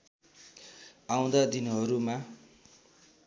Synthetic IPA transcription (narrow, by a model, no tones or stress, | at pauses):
aw̃d̪ad̪inɦʌɾuma